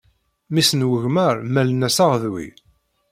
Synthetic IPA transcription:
misənwəʝməɾmælnæsaʁəðwḭ

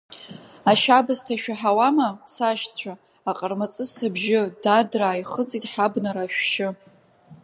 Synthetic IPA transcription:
aʃabɨztʰaʃᶣaħawamasaʃt͡sʷʰaː | qʼərmat͡sʼɨsɨbʒɪdadraːjχət͡sʼitʼħabnaɾaʃᶣʃɪ

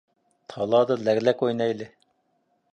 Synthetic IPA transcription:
t̪ʰɑlˠɑːd̪ɑlɛɣlɛkojnɑjlɪ

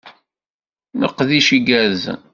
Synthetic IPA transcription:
nəqːðiʃiɡæɾz

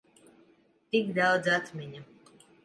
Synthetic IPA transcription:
t̪ikd̪awd̪zat̪mʲiɲa

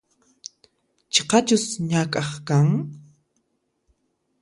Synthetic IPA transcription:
t͡ʃe̥qɑt͡ʃʊsɲakʼɑχkaŋ

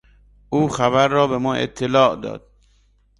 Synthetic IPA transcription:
ʔuːxæbæɾːɒːbemɒːʔḛt̪ʰːelɒːʔd̪ɒ̰ːd̪̥̚

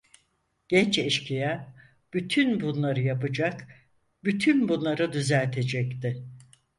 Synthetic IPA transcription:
ɟ̥ɛnt͡ʃɛʃcʰijɛ | b̥yt̪ʰynbunlˠaɾɯjapɯd͡ʒak | byt̪ʰynbunlˠaɾɯd̪yzælʲt̪ʰe̞d͡ʒɛct̪ɪ

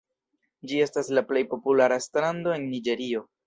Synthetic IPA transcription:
d͡ʒie̞staslaple̞jpo̞pulaɾaestɾando̞e̞nːid͡ʒe̞ɾio̞

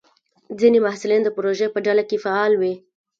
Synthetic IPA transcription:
d͡zinemahsɪlind̪əpɾoʒepəɖalakefaɑlwi

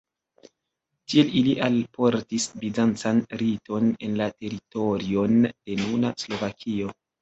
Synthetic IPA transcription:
tie̞liliʔalpo̞ɾtisbizant͡sanɾito̞ne̞nlate̞ɾito̞ɾio̞nd̥e̞nunaslo̞vakʰio̞

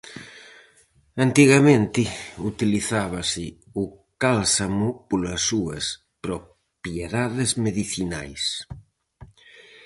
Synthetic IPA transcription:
ant̪iɣamẽnt̪ɪut̪iliθaβ̞asɪ | u | kalsamupolasːuɐs | pɾo | pjeðaðezmeðiθina̰js

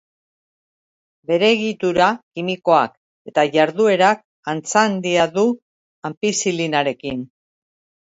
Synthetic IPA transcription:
be̞ɾe̞ːɣit̪uɾakimiko̞a̰k | e̞t̪aʝaɾðue̞ɾak̚ | ant͡sand̪iaðu | ampisilinaɾe̞kin

